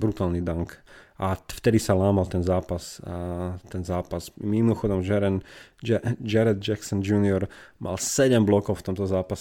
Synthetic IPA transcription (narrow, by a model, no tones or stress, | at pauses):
bɾut̪aːlnid̪aŋkʔaft̪ɛd̪isalaːmalt̪ɛnzaːpas | t̪ɛnzaːpazmimɔxɔd̪ɔmd͡ʒɛɾɛn | d͡ʒɛɾad̪̚d͡ʒɛksɔnd͡ʒuːnɪɔɾmʔa̰lsɛɟɛmblɔkɔʊft̪ɔmt̪ɔzaːpasɛ